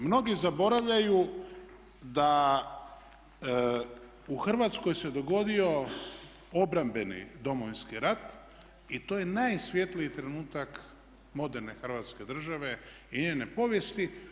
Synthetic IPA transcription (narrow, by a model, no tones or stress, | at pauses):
mno̞ɡizabo̞ɾaʋʎaju | d̪a | uxr̩ʋat̪sko̞jse̞d̪o̞ɡo̞d̪io̞ | o̞bɾambe̞nḭd̪o̞mo̞ʋinskiɾat̪ | it̪o̞jenajsʋʲje̞t̪liit̪ɾe̞nuːt̪ak | mo̞d̪e̞ɾne̞xr̩ʋat̪ske̞d̪r̩ʒaʋe̞ | iɲeːne̞po̞ʋje̞st̪i